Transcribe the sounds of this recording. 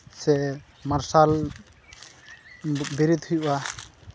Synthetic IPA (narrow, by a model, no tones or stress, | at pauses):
sɛ | maɾsal | biɾit̪hujba